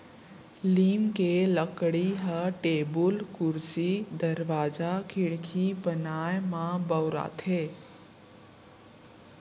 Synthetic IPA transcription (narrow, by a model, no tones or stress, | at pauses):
liːmkeləkɽiɦəʈebulkʊɾsid̪əɾʋaːd͡ʒakʰɪɽkʰibənajmãbəwɾa̰t̪ʰe